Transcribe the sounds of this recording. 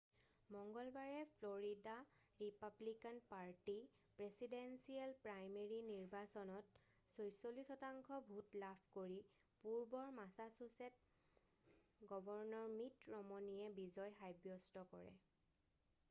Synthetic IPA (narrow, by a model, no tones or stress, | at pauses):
mɔŋɡɔlbaɹɛpʰlɔɹida | ɹipablikanpaɹti | pɹesidensialpɹajmeɹiniɹbasɔnɔt | sojsolisɔtaŋkʰɔbʱutlapʰkoɹi | puɹbɔɹmasasusɛt̚ | ɡɔbɔɹnɔɹmitɹɔmɔnijɛbizɔjɦajbjɔstɔkɔɹɛ̰